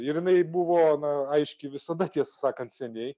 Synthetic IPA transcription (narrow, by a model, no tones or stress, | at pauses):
ɪɾjɪnɐɪbuʋoːnɐɐɪʃʲkʲɪʋʲɪsɐd̪ɐt̪ʲiɛsʊsɑːkɐnt̪sʲɛnʲɛɪ